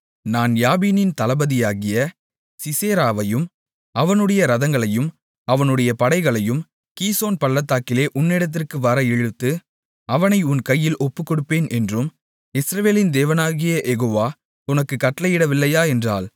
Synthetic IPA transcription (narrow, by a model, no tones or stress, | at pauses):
naːnjaːbiːnɪnt̪ɐlɐbɐðɪjaːɣɪjɐ | sɪseːɾaːʋɐjɯm | ɐʋɐnɯɽɐjɐɾɐðɐŋɡɐɭɐjɯm | ɐʋɐnɯɽɐjɐpɐɽɐɪɣɐɭɐjɯm | kiːsoːnpɐɭːɐt̪ːaːkɪleːʔʊnːɛɽɐt̪̬ːɪrkɯʋɐɾɐɛɻɯt̪ːɯ | ɐʋɐnɐɪʊnkɐjːɪlʔɔpːɯkːɔɽɯpːeːnʔɛndrɯm | ɪsɾɐʋeːlɪnd̪eːʋɐnaːɣɪjɐʔɛɣoːʋaː | ʊnɐkːɯkːɐʈːlɐjɪɽɐʋɪlːɐjaːɛndra̰ːl